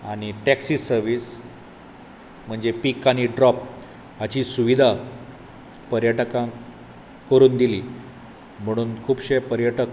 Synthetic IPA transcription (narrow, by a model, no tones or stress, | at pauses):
aɽ̃iʈɛksiːsəɾʋiːs | m̤əɳd͡zepikaɽ̃iɖɾɔp̚ | at͡ɕiːsuʋid̪ʱa | pəɾjəʈkã | kəɾuːnd̪iliː | m̤əɽ̃uːnkʰuːbɕepəɾjəʈək